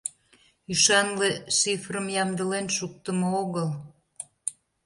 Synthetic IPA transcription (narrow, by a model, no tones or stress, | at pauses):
yʃɑnleʃifrəmjɑmd̪əlenʃuk̚t̪əmooɣəl